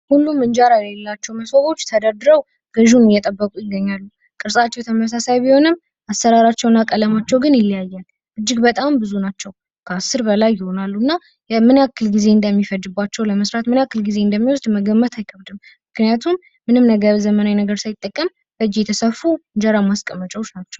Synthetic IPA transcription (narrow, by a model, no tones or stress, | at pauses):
hulːumɨnd͡ʒaɾajɛlelːat͡ʃːɛwməsoβo̞t͡ʃːt̪ʰəd̪əɾd̪ɨɾəw | ɡəʒunɪjːɛt̪ʼəbːəkʼujɪɡːəɲːalːu | kʼɨɾsʼat͡ʃːɛwt̪ʰəməs̬asajbiho̞nɨm | ʔasːəɾaɾat͡ʃːɛwnːakʼələmat͡ʃːɛwɡɨnjɪlːijajːɛl | ʔɨd͡ʒːɪɡbət̪ʼambɨzunat͡ʃːɛw | kʰəasːɨɾbəlajːɪho̞nalːunːa | mɨnakːɨlɡize̞ɨnd̪əmːifəd̪ɨbːat͡ʃːɛwləməsɾat̪mɨnakːɨlɡize̞ɨnd̪əmːiwɔsd̪məɡəmːət̪ʰajkʰəβd̪ɨm | mɨknijat̪ʰumː | ɨnɨmnəɡəzəmənajnəɡəɾsajɪt̪ʼːəkʼːəm | b̥əd͡ʒijɛt̪ʰəsəfːud͡ʒəɾamaskʼəmːət͡ʃʼɛwot͡ʃnat͡ʃːɛw